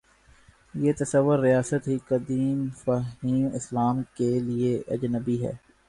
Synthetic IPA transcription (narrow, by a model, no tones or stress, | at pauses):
jeːt̪ɐsəʋːʊɾːijaːsət̪ɦikɐd̪iːmfaɦiːmɪslaːmkelieʔɐ̰d͡ʒnəbiɦɛ̰ː